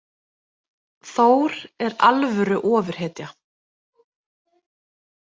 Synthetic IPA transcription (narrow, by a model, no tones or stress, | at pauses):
θoːwɾɛɾalvʏɾʏʔɔːvʏɾ̥ɦɛːt̪ja